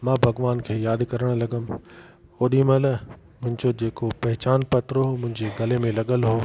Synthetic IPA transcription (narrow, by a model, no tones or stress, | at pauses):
mãːbʱɐɡʋaːnkʰeːjaːd̪kɐɾəɽ̃lɐɡəm | oːɗimɐ̃lɐ | mʊ̃ɦɪ̃ɲd͡ʑod͡ʑeːkopɐɦɪt͡ɕaːnpɐt̪ɾoɦomʊ̃ɦɪ̃ɲd͡ʑeɡɐlemẽlɐɠəlɦoː